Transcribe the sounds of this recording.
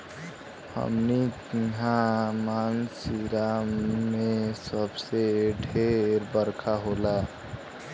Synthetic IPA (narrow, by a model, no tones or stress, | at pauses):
hə̰mnitɦamansiɾamesəbseɖʱeɾbəɾkʰaɦola